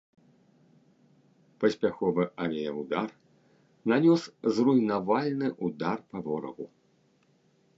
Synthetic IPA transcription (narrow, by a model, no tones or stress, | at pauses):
pɐsʲpʲaxɔvɨʔavʲɛjɛwd̪ar | nanʲɔszrujnavalʲnɨʔud̪arpavɔɾɐ̰ɣu